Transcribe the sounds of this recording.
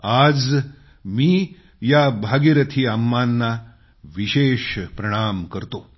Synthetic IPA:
ad͡z | miː | jabʱaɡiɾət̪ʰiːamːanːa | ʋiɕeːʃpɾɐɽ̃aːmkəɾt̪o

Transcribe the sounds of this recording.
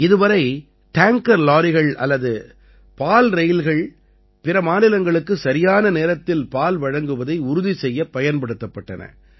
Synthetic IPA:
ɪðɯʋɐɾɐɪ | ʈaːŋkɐɾlaːɾɪɣɐɭɐ̰lːɐðɯ | paːlɾɛjɪlɣɐɭ | pɪɾɐmaːnɪlɐŋɡɐɭɯkːɯsɐɾɪjaːnɐneːɾɐt̪ːɪlpaːlʋɐɻɐŋɡɯʋɐðɐɪʊɾʊðisɛjːɐpːɐjɐnpɐɽɯt̪ːɐpːɐʈːɐ̰nɐ̰

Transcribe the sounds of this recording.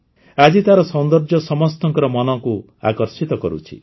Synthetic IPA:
ad͡ʒit̪aɾɔsɔnd̪ɔɾd͡ʒɔsɔmɔst̪ɔŋkɔɾɔmɔnɔku | a̰kɔɾsit̪ɔkɔɾṵt͡ʃʰḭ

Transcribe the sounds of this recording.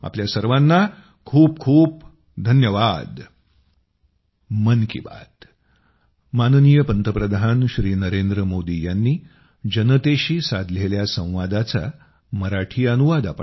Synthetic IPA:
a̰pljasəɾʋanːa | kʰuːpkʰuːp̚ | d̪ʱənjəʋad̪ | mənkḭba̰t̪ | manənijəpənt̪əpɾəd̪ʱanɕɾiːnəɾend̪ɾəmod̪ijanːiː | d͡ʑənət̪eɕiːsad̪ʱleljasə̃w̃ʋad̪at͡sa̰ | məɾaʈʰiːənuʋad̪apə

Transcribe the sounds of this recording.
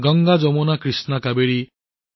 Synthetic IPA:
ɡɔŋɡad͡ʒɔmɔnakɾisnakabeɾi

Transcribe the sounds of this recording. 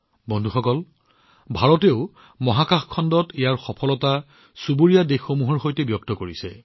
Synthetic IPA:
bɔndʱuxɔkɔl | bʱaɹɔteʊ | mɔɦakaxkʰɔndɔtejaɹxɔpʰɔlɔta | subuɹijadexːomuɦɔɹxojtɛbjɔk̚tɔkoɹisɛ̰

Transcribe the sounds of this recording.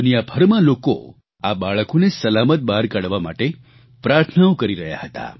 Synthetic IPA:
unijabʱəɾmãloko̰ | abaɭəkonesəlamət̪̚baɾkaɽʋama̰ʈe | pɾaɾt̪ʰənaõkəɾiɾəɦja̰hət̪a̰

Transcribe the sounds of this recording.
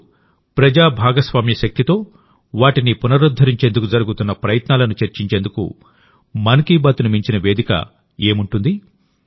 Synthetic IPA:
pɾɐd͡ʒaːbʱaːɡɐsʋaːmjɐʃɐk̚t̪it̪o̞ː | ʋaːʈinipunɐɾud̪ʱːɐɾiɲt͡ʃend̪ukud͡ʒɐɾuɡut̪unːɐpɾɐjɐt̪naːlɐnut͡ʃɐɾt͡ʃiɲt͡ʃend̪ukṵ | mɐnkiːbaːt̪unimiɲt͡ʃinɐʋe̞ːd̪ikɐ̰ | e̞ːmuɳʈund̪i

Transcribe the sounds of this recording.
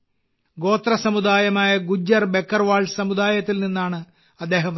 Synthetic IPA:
ɡo̞ːt̪rɐsɐmud̪aːjɐmaːjɐɡud͡ʑːɐrbekːɐrʋaːɭsɐmud̪aːjɐt̪ːilninːaːɳɨ | ɐd̪ːe̞ːɦɐm

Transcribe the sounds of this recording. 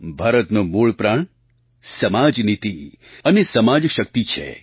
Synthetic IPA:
bʱaɾət̪nomuɭpɾaɳ | səmad͡ʒnit̪i | ənesəmad͡ʒʃək̚t̪it͡ʃʰḛ

